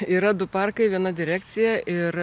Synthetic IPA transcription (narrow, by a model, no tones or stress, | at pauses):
iːɾɐd̪ʊpɐrkɐɪʋʲiɛnɐd̪ʲɪɾʲæːk̚t̪sʲɪjɛʔɪɾ